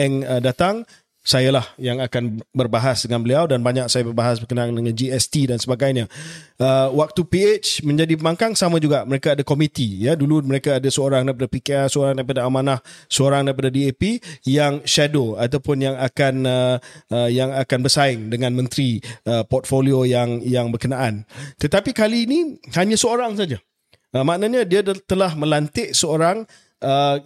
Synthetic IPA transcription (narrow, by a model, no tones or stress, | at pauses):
ɛŋədat̪aŋ | sajalahjaŋakanbərbaɦasdəŋãnbəliawdanbaɲak̚sajabərbaɦasbərkənaandəŋand͡ʒiɛst̪idansəbaɡajɲaəwak̚t̪upiet͡ʃmə̃ɲd͡ʒadipəmaŋkaŋsamãd͡ʒuɡaʔməɾekaadakomĩt̪ijəduluməɾekaːdasəoɾaŋdaip̬adapikeɛsəoɾaŋdaipadaamanahsəoɾaŋdajip̬adadiepijaŋʃadoat̪awpʊnjaŋakanəəjaŋakanbərsaɪŋdəŋãnmə̃nt̪ɾiəpɔt̪̚foliojaŋjaŋbərkənaʔant̪ət̪apikaliːnihaɲãsəoɾaŋsad͡ʒa | əmaʔnaɲãdiat̪əlahmə̃lant̪ɪʔsəoɾaŋ | ə